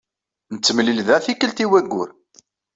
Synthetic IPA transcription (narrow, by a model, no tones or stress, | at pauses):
nət͡sːəmlilðæθikəlt̪iwæɡːʊ̰ɾ